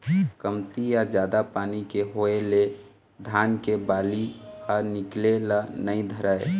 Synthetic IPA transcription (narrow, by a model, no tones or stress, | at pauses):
kəmt̪ijad͡ʒjaːd̪apaːnikeɦoele | d̪ʱaːnkebaːliənɪklelanəĩd̪ʱəɾəe